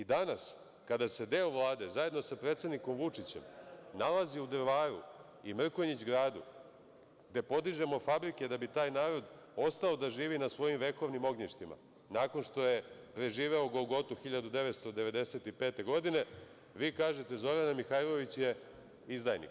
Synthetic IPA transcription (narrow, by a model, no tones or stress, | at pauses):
id̪anas | kad̪ase̞d̪e̞oʋlˠaːd̪e̞zaje̞d̪no̞sapɾeːt̪sed̪niko̞mʋut͡ʂit͡ɕemnalˠaziud̪ɾʋaːɾṵ | imr̩koɲit͡ɕɡɾaːd̪ṵ | ɡd̪e̞po̞d̪iʒe̞mo̞fabɾike̞d̪abit̪aːjnaːɾo̞d̪ | o̞st̪ao̞d̪aʒiːʋinasʋo̞jimʋe̞ko̞ʋnimo̞ɡɲiʃt̪ima̰ | naːko̞nʂt̪o̞je̞pɾe̞ʒiːʋe̞oɡoɡo̞t̪uxiʎad̪ud̪e̞ʋet̪st̪o̞d̪e̞ʋe̞d̪e̞se̞t̪ipe̞ːt̪e̞ɡo̞d̪ine̞ | ʋiːkaːʒe̞t̪e̞zo̞ɾanamixajlˠo̞ʋit͡ɕje̞ | izd̪ajnḭk